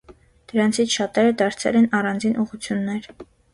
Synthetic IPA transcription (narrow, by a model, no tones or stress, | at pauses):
d̪̥əɾɑnt͡sʰit͡sʰʃɑt̪ɛɾəd̪ɑɾt͡sʰɛ̰lɛnɑrɑnd͡zinʔuʁut͡sʰjunːɛɾ